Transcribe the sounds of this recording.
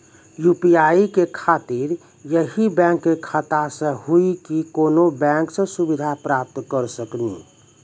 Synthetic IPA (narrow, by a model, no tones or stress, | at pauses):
jupijaːikekʰaːt̪iɾ | jəɦibɛ̃ːŋkːekʰət̪asẽɦuikikoːnobɛ̃ːŋksẽsubid̪ʱapɾaːp̚t̪kəɾsəknḭː